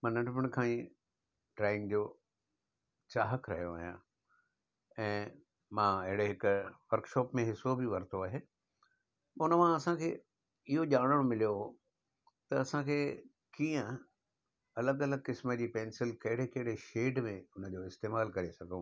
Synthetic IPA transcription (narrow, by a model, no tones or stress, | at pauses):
mãnɐ̃ʈməɽ̃kʰãːĩ | ʈɾaːɪ̃ŋɡd͡ʑoː | t͡ɕaːɦəkɾɐ̰ɦijoʋɐːɦijã̰ː | ɛ̃ː | mãːɪɦɪɽeɦɪkʊʋɐɾkʃɔːpmẽɦɪsobiʋɐɾt̪ʰoaːɦeː | ʊnəmãɐsãkʰeː | ɪɦoʄaːɽ̃əɽ̃omɪlijoɦ | t̪ɐɐsãkʰeː | kĩːə̃ | ɐləɡɐləɡ̚kɪsməd͡ʑiːpɛ̃ːnsɪlkɐɦɪɽekɐɦɪɽeʃeːɖmẽʊnə̆d͡ʑoːɪst̪eːmaːlkɐɾesɐɡʱõ